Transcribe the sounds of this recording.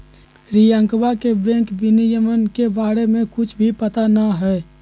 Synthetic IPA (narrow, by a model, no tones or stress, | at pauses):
ɾijə̃ŋkwakebɛ̃ːkbɪnijəmənkebaːɾemẽkʊt͡ʃʰbʱipət̪anaɦɛː